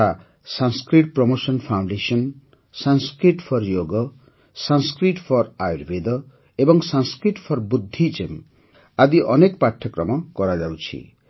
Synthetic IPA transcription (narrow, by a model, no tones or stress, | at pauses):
a | sanskɾiʈ̚prɔmosɔnpʰaw̃ɳɖesɔn | sanskɾiʈpʰɔɾjoɡɔ | sanskɾiʈpʰɔɾajɾbed̪ʌ | ebɔŋsanskɾiʈpʰɔɾbud̪ʱːit͡ʃem | ad̪iʔʌnekpaʈʰjʌkɾɔmʌkɔɾad͡ʒawt͡ʃʰḭ